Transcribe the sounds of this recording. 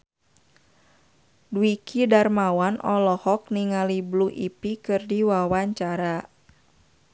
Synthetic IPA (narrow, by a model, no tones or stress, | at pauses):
duikʰidarmawanʔɔlɔhɔk̚niŋalibluʔipikɨrdiwawaɲt͡ʃaɾa